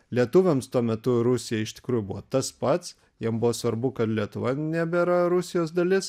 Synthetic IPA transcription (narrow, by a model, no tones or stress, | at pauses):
lʲiɛt̪ʊʋʲɛmst̪uɔmʲɛt̪ʊɾʊsʲɪjɛɪʃʲt̪ʲɪ̥kɾuːjʊbʊʋoːt̪ɐspɐt̪s | jiɛmbʊʋoːsʋɐɾbʊkɐt̪lʲiɛt̪ʊʋɐnʲæbʲɛɾɐɾʊsʲɪjoːs̬d̪ɐlʲɪs